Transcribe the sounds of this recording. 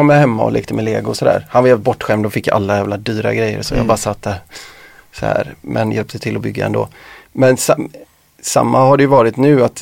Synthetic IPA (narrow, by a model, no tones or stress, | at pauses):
ɔmːahɛmːaɔ̰lʔḛːk̚t̪əmɛleːɡʊsɔd̪æ̰ːɾhanvajɛvlɪt̪̚bɔʈːɧɛmd̪ɔfɪkːjaʔa̰lːajæːvlad̪yːɾa̰ɡɾɛjːə̰ɾsɔ̰jɑ̰bɑːɾasat̪ːæ | sɔhæ̰ːɾmʔɛnjʔɛlp̚t̪ʰət̪ʰɪlɔbʏɡːa̰ɛ̰nd̪o̰ːmɛnsa | sa̰mːahaɖɛjɵvɑːɾɪt̪nʉ̟ːat̪